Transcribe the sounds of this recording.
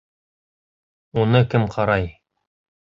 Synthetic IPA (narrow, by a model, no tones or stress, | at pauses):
unɤkɘmqʰɑɾɑj